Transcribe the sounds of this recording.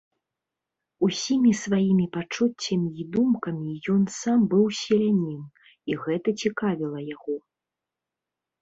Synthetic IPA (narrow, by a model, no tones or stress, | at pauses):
usʲimʲisvajimʲipat͡ʂut͡sʲːɐmʲiid̪umkɐmʲijɔnsambɨwsʲɛlʲanʲin | iɣɛt̪ɐt͡sʲikavʲilˠɐjaɣɔ